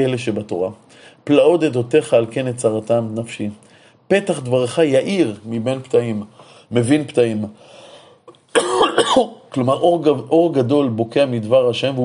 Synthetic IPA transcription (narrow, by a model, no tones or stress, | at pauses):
eleʃebat̪o̞ʁa | plao̞d̪ed̪o̞t̪e̞χaːlke̞nett͡saʁat̪amnafʃi | pe̞t̪aχd̪vaʁχajaʔiʁmibenpt̪aimː | e̞vinpt̪aim | klo̞maʁoʁʔo̞ʁɡado̞lbo̞keamid̪vaʁaʃe̞mv